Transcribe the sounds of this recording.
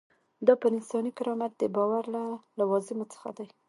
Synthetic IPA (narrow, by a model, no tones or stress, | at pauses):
d̪ɑpəɾɪnsɑnikɪɾɑmat̪̚d̪əbɑwaɾlalawɑzɪmot͡sə̥xa̰d̪aj